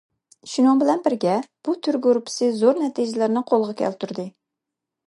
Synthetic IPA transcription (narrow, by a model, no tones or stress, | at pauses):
ʃunɨŋbɪlɛnbɪɾɡʲɛb̥ut̪ʰyɾɡoɾpʰɪ̥sɨzoɾnɛt̪ʰid͡ʒɪlɪɾnɨqʰolˠʁɑkʲʰɛ̰lt̪ʰuɾd̪ɨ